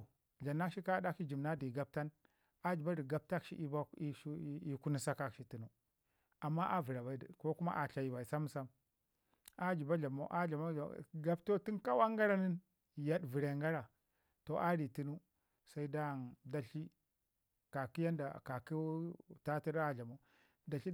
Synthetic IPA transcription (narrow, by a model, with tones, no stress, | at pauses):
ɮa˨nːa˦ʃi˦ka˦da˦ki˦d͡ʒi˨mna˦di˨ɡa˦b̚ta˦n | a˦d͡ʒi˨ba˦di˨ɡa˦b̚ta˦kʃḭ˦ʔi˦ba˦i˦ku˦ni˦sa˦ka˨kʃi˦ti˨nu˦ | a˨mːa˦ʔa˦vi˨ɾa˨ba˨i˦dko˦ku˦ma̰˦ʔa˨ɬa˨ji˨ba˨i˨sa˦m˦sa˦m | a˦d͡ʒi˨ba˦ɮa˨mo̰˦ʔa˦ɮa˨ma˦a˨ɡa˦bto˦ti˦nka˦wa˦ŋɡa˦ɾa˦ni˦n˨ | ja˦ɗvi˨ɾe˨ŋɡa˦ɾa˨ | to˨ʔa˦ɾi˨ti˦nu˦ | sa˦i˦da˦˨nda˨ɬi˦ | ka˨ki˦ja˦nda˨ka˨ki˦ta˦ti˦ɾa˦ɮa˨mo˦ | da˨ɬi˦